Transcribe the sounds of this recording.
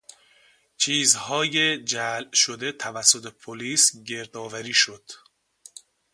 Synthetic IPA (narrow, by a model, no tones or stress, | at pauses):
t͡ʃʰiːzhɒːjed͡ʒælʃod̪e̞t̪ʰævæsːot̪ʰe̞pʰoliːsɟe̞ɾd̪ɒːvæɾiːʃod̪̥